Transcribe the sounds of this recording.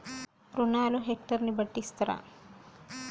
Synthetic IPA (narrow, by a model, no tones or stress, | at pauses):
pɾunaːluɦek̚ʈɐɾnibɐʈːist̪ɐɾa̰ː